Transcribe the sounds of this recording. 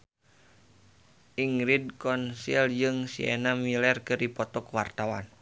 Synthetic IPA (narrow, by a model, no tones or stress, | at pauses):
ʔiŋɾid̚kɔnsild͡ʒɨŋsiɛ̰namilɛrkɨrdipɔt̪ɔkuwart̪awa̰n